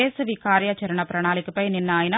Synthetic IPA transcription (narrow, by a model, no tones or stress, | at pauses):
eːsɐʋikaːɾjat͡ʃɐɾɐɳɐpɾɐɳaːlɪkːɯpːɐjnɪnːaːjɪnɐ